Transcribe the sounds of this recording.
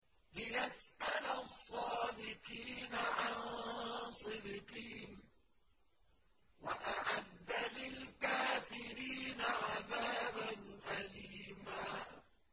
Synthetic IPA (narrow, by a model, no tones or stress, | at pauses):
lɪjasʔalasˤːɑːd̪ɪqiːnaʕan | sˤɨd̪ɪqiːn | waʔaʕad̪ːalɪlkaːfɪɾiːnaʕaðaːbanʔaliːmaː